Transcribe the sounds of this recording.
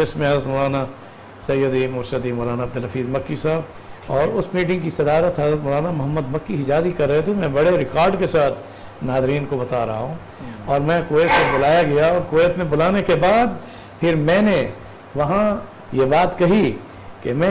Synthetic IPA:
ɪsmẽɦɐzɾət̪mɔlaːna | sɐjːəd̪imʊːɾʃəd̪imɔːlaːnaɐb̚d̪ʊlɦɐfʰiːzmɐkːisaːb | ɔːɾʊsmiːʈ̬ɪ̃ŋɡkisɐd̪aːɾət̪ɦɐzɾət̪mʊːlaːnamʊɦəmːəd̪mɐkːiɪd͡ʒaːzikɐɾːɐɦet̪ʰemɛ̃bɐɽeɾɪkaːɾɖkesaːt̪̚ʰ | naːzɾiːnkobɐt̪aɾɐ̰ɦaɦũ | ɔːɾmɛ̃koːjət̪mẽbʊlaːjaɡɐjaɔːɾkoːjət̪mẽbʊlaːnekebaːd̪ | pʰɪɾmɛ̃ːne | ʋɐɦã | jebaːt̪kɐɦi | kemɛ̃

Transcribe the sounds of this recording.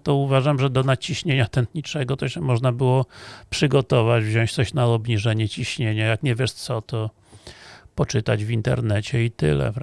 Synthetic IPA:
t̪ɔuvaʐamʐɛd̪ɔnat͡ɕiɕɲeɲat̪ɛnt̪ɲit͡ʂɛɡɔt̪ɔɕɛmɔʐnabɘwɔpʂɘɡɔt̪ɔvad͡ʑvʑɔ̃w̃t͡ɕt̪sɔɕnaɔbɲiʐɛɲɛt͡ɕiɕɲeɲajakɲevʲjɛʂt̪sɔt̪ɔ | pɔt͡ʂɘt̪a̰d͡ʑvʲint̪ɛ̰ɾnɛt͡ɕɛit̪ɘ̰lɛ̰

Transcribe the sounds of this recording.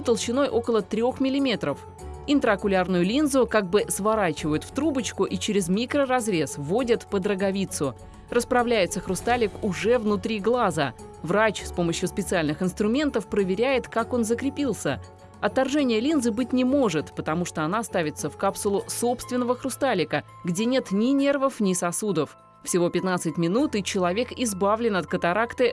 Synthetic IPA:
t̪əlˠɕɪno̞jʔo̞kəlˠət̪ɾʲo̞xmʲɪlʲɪmʲe̞t̪ɾəf | ɪnt̪ɾəɐkʊlʲarnʊjʊlʲinzʊkaɡ̚bɨsvaɾat͡ɕɪvəjʊt̪ft̪ɾubət͡ɕkʊʔit͡ɕɪɾʲɪzmʲikɾərɐzɾʲe̞svo̞dʲət̪pəd̪ɾəɡɐvʲit̪sʊ | rəspɾɐvlʲæjɪt̪səxɾʊst̪alʲɪkʊʐɛvnʊt̪ɾʲiɡlˠazə̰ | vɾat͡ɕspo̞məɕjʊspʲɪt̪sɨalʲnɨxɪnst̪ɾʊmʲe̞nt̪əfpɾəvʲɪɾʲæjɪt̪kako̞nzəkɾʲɪpʲilˠsʲə̰ | ɐt̪ːarʐɛnʲɪjəlʲinzɨbɨt̚ʲnʲɪmo̞ʐɨt̪pət̪ɐmuʂt̪oɐnast̪avʲɪt̪səfkapsʊlˠʊso̞pst̪vʲɪnːəvəxɾʊst̪alʲɪkə | ɡdʲenʲe̞t̪nʲɪnʲe̞rvəfnʲɪsɐsud̪əf | fsʲɪvo̞pʲɪt̪nat̪sɨtʲmʲɪnut̪ɨt͡ɕɪlˠɐvʲe̞kɪzbavlʲɪnɐt̪̚kət̪aɾakt̪ɨ

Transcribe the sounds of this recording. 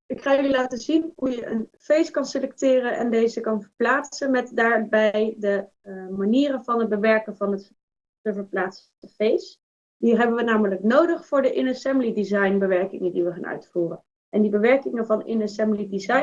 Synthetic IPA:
ɪkχaːjlilaːtəzinɦujəʔə̰nfejskɑnsəlɛk̚tɪːrənʔɛ̰ndejzəkɑnvəɹplaːtsənmɛtdaːɹbɛjdə | maniːrənvɑnɦəd̚bəʋɛɹkənvɑnət | təvəɹplaːts | təfejs | diɦɛbəʋənaːmələknowdəχfʊːɹdəʔɪnɛsɛmblidizɑjnbəʋɛɹkɪŋəndiʋəχa̰ːnœ̰ɥtfuːrən | ʔɛndibəʋɛɹkɪŋənvɑnɪ̰nɛsɛmblidizɑj

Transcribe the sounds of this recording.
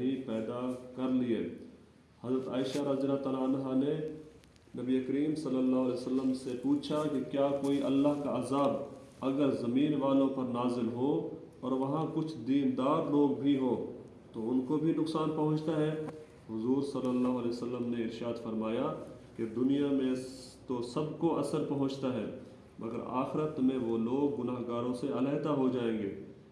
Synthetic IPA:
bʱipɛːd̪akɐɾliḛː | hɐzɾət̪aːɪʃaɾaːd̪ijənat̪alaːnɦane | nɐbiekəɾiːmsɐlːəlːaːɦʊɐlɛːjəsəlːəmsepuːt͡ʃʰakikjaːkoːiʔɐlːaɦkaaːzaːb | ɐɡəɾzɐmiːnʋaːlõpɐɾnaːzɪlɦo | ɔːɾʋɐɦãkʊt͡ʃʰd̪iːnd̪aːɾloːɡ̚bʱiɦoː | t̪oʊnkobʱinʊksaːnpɐɦʊ̃t͡ʃt̪aɦɛː | ɦʊzuːɾsɐlːəlːaːɦʊɐlɛːʋəsəlːəmneɪɾʃaːd̪fɐɾmaːjaked̪ʊnijamẽ | t̪osɐbkoʔɐsəlpɐɦʊ̃t͡ʃt̪aɦɛː | mʔɐ̰ɡə̰ɾa̰ːxɪɾət̪mẽʋoloːɡːʊnaːɦɡaːɾõseɐlɛːɦt̪aɦod͡ʒaːẽːŋɡeː

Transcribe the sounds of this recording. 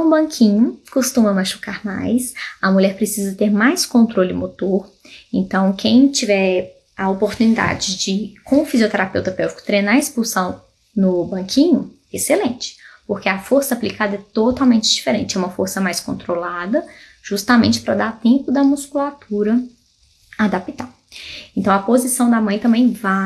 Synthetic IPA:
ũbɐ̃kʰĩɲʊkost̪ũmɐmaʃu̥kaɾma̰jsɐmuʎɛɾpɾesizɐt̪eɾmajskõnt̪ɾolɪ̃mot̪oɾ | ẽnt̪ɐ̃w̃kʰẽj̃t͡ʃivɛɾ | ɐopoɾt̪unid̪a̰d͡ʒɪd͡ʒɪkõʊfiziot̪eɾapewt̪ɐpɛwt͡ʃɪ̥kʊ̥t̪ɾejnaɾespulsɐ̃w̃ | nʊbɐ̃kʰĩɲʊɛeselẽt͡ʃɪ̥poɾkeafoɾsɐaplikad̪ɐɛt̪ot̪awmẽnt͡ʃɪd͡ʒifeɾẽnt͡ʃɪɛũmɐfoɾsɐmajskõnt̪ɾolad̪ɐ | ʒ̥ust̪amẽnt͡ʃɪ̥pɾɐd̪aɾt̪ẽmpʊd̪ɐmuskulat̪uɾɐ | ad̪apit̪aw | ẽnt̪ɐ̃w̃ɐpozisɐ̃w̃d̪amɐ̃j̃t̪ɐ̃mbẽj̃va

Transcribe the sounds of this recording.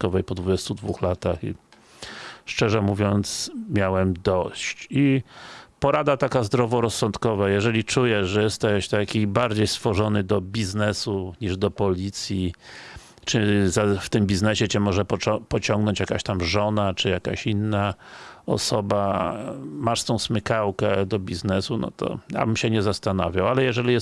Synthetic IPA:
kɔvɛjpɔd̪vud͡ʑɛst̪ud̪vuxlat̪axḭ | ʂt͡ʂɛʐɛmuvʲjɔnt̪smʲjawɛmd̪ɔɕt͡ɕi | pɔɾad̪at̪akazd̪ɾɔvɔɾɔsːɔnt̪kɔvajɛʐɛlʲit͡ʂujɛʐɛjɛst̪ɛɕt̪akʲibaɾd͡ʑejst̪fɔʐɔnɘd̪ɔbʲiznɛsuɲiʐd̪ɔpɔlʲit̪sʲji | t͡ʂɘzaft̪ɘmbʲiznɛɕɛt͡ɕɛmɔʐɛpɔt͡ɕɔŋɡnɔɲt͡ɕjakaɕt̪amʐɔnat͡ʂɘjaka̰ɕinːaɔ̰sɔba | maʂst̪ɔ̃w̃smɘkawkɛd̪ɔbʲiznɛsunɔ̰t̪ɔ̰ja̰bɘmɕɛɲɛzast̪anavʲjawalɛjɛʐɛlʲijɛ

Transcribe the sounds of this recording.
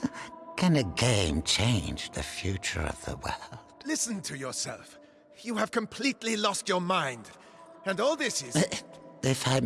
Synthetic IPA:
kʰɨ̃nɨɡẽɪ̃mt͡ʃʰẽɪ̃nd͡ʒðɨ̰fjʉt͡ʃə̰˞ʌ̰vðə̰wɜ̰˞lˠd̥lɪsn̩tʰɨjə˞sɛ̰lˠf | jɨɨv̥kʰɨ̃mpʰl̥itˡlilɔst͡ʃə˞mãɪ̃nd | ɨ̃nɔlˠðɪsɪ | ɪfaɪ

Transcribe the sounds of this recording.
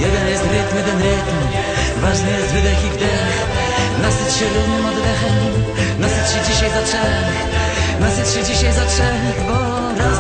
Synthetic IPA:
jɛd̪ɛnjɛst̪ɾɪt̪mjɛd̪ɛnɾɪt̪m | vaʐnɨjɛst̪vɨd̪ɛxivd̪ɛ | x | nasɨt̪ʂɪɾɪt̪nmɔd̪d̪ɛxɛm | nasɨt̪ʂɨd͡ʑiɕajzatʂɛ | nasɨtʂɨd͡ʑiɕajzatʂɛ | bɔ | ɾa

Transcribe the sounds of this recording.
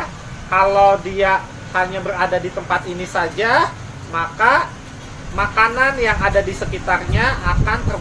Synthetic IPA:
kalowdia | haɲabəɾadadit̪əmpat̪inisad͡ʒa | maka | makananjaŋadadisəkit̪arɲaʔːkant̪ər

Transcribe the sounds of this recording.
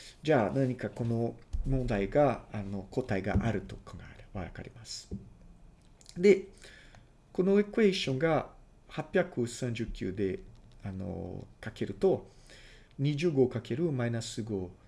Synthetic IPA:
d͡ʑaːnaɲ̟ikako̞no̞mõnd̪aiɡaano̞ko̞t̪aiɡa̰ʔaɾɯ̟t̪o̞kãŋɡaeɾβaɾaka̰ɾʲimasɨ̥ | d̪e̞ | ko̞no̞ekɯ̟e̞ɕõ̞ŋɡa | hapʲjakɯ̟sãɲ̟d͡ʑɨkʲːɨ̰ːd̪e̞ano̰kake̞ɾɯ̟t̪o̞ | ɲ̟iʑɨːɡo̞ːkake̞ɾɯ̟mainasɨɡo̞ː

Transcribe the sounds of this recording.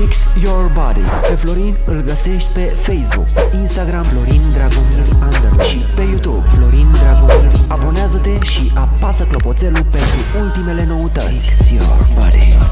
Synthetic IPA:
iksjorbad̪ḭ | pe̞flo̞ɾinɨlɡəse̞ʃt̪ʲpe̞fejsbṵkinst̪aɡɾamflo̞ɾind̪ɾaɡomuɾʲand̪əɾʃipe̞jut̪ubflo̞ɾind̪ɾaɡomḭɾabo̞neazət̪e̞ʃiʔʔapasəklo̞po̞t̪se̞lupe̞nt̪ɾuult̪ime̞le̞no̞ut̪ə̰sʲoba̰d̪ḭ

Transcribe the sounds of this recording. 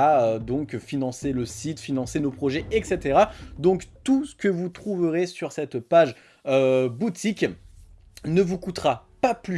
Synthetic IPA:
aød̪ɔ̃kfinɑ̃seləsit̪finɑ̃senopχɔʒɛʔɛkset̪eʁad̪ɔ̃kt̪usə̥kəvut̪χuvəʁesyʁsɛt̪paʒ | øbut̪ʰik | nəvukut̪ʁapaply

